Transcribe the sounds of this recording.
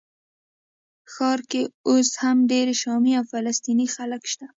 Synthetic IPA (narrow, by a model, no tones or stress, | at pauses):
xɑɾkeoshamɖeɾeʃɑmeawfalast̪inixaləkʃt̪a